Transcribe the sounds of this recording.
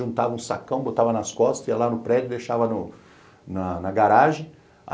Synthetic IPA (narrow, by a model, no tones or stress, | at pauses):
ʒũnt̪avɐũsa̰kɐ̃w̃bot̪avɐnɐskɔst̪ɐɛlanʊpɾɛd͡ʒʊd̪eʃavɐnʊ | nɐnɐɡaɾaʒẽ | a̰